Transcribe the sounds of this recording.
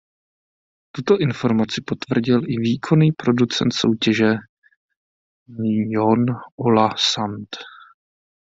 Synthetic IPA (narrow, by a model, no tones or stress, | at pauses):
t̪ut̪o̞ʔɪnfo̞ɾmat͡sɪpo̞t̪vr̩ɟɪlʔɪviːkʰo̞niːpɾo̞dut͡sɛ̰nt̪so̞̰wcɛʒɛ | mijonʔolasant̪